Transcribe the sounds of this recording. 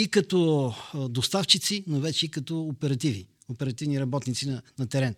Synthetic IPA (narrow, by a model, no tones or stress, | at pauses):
ikɐt̪ɔd̪ost̪aft͡ʃit̪sinovɛt͡ʃɛikɐt̪ɔːpɛɾɐt̪ivi | opɛɾɐt̪ivniɾɐbɔt̪nit̪sinɐnɐt̪ɛɾɛn